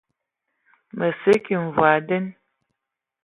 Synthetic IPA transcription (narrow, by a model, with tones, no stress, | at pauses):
mʔə˨sə˦ki˨ɱ̩˨vwa˨də˦n